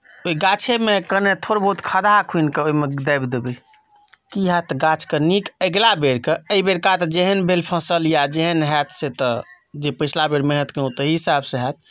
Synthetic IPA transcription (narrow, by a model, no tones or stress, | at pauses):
oiɡat͡ʃʰemekənet̪ʰoɾobʱəɦut̪kʰəd̪ʱakʰinkeoimed̪əjbd̪ebe | kiɦɛt̪ɡãt͡ʃʰkənikəɡlabeɾkeəibeɾkat̪d͡ʒeɦənbʱelpʰə̃səljad͡ʒeɦənɦɛt̪ʰset̪ə | d͡ʒepət͡ʃʰlabeɾmẽɦət̪keot̪əɦiisabseɦɛt̪̚